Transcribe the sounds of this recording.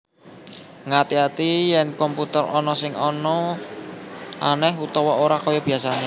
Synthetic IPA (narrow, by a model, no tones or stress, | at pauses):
ŋat̪iat̪ijɛnkɔmput̪ərɔnɔsɪŋɔnɔ | ʔanɛɦut̪ɔwɔoɾakɔjɔb̥iasane